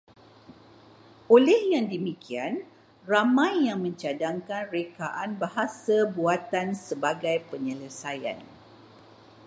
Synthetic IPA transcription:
ʔolɛhjaŋdəmikian | ramãjːaŋmə̃ɲt͡ʃadaŋkanrekaʔanbaɦasabuat̪ansəbaɡajpəɲələsaja̰n

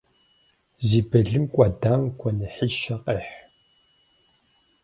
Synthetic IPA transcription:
ziːbɐɮɨmkʷʼɑːdaːmkʷʰɔnɨħiːʃɐqʼeːħ

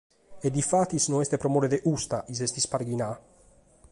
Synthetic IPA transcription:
ed̪ifat̪ːisnoɛst̪epɾomoɾed̪eʔust̪aʔizɛst̪ispaɾɡina

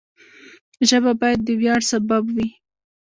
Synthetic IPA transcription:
ʒəbabɑjad̪ːəwjɑɽsababwi

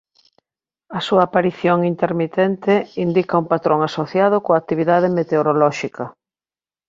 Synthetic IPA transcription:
ɐsuɐːpaɾiθjoŋint̪eɾmit̪ɛnt̪ɪind̪ikɐuŋpat̪ɾoŋasoθjaðʊkoak̚t̪iβ̞iðaðemet̪eoɾolɔʃikʰɐ

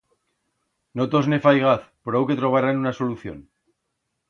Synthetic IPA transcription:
not̪o̞znefajɣ̞aθpɾawket̪ɾo̞β̞aɾanunaso̞luθjo̰n

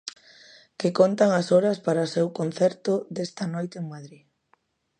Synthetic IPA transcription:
kekont̪aŋasoɾɐspaɾasewkonθɛɾt̪od̪est̪ɐnojt̪eeŋmaðɾi

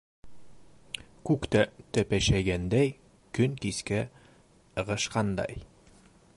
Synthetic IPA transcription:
kʉkt̪æt̪æpæʃæjɡænd̪æj | kɵŋkiskæ | ɤ̆ʁɤ̆ʃqɑnd̪ɑ̰j

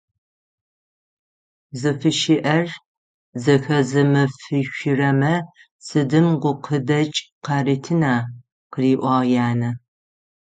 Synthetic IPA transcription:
zɨfɨʃiʔɐr | zɐxɐzɨmɨfɨɕʷɪrɐmɐ | sɨdɨmʁʷʊqʰədɐt͡ʃʼqɐritʰɨnaː | qəriːʔʷɑːʁjaːnɐ

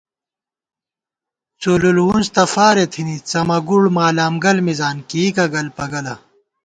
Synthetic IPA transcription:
t͡solulwunst̪ɐfaːɾet̪ʰinit͡sɐmɐɡuɽmaːlaːmɡɐlmizaːnkiːkɐɡɐlpɐɡɐlɐ

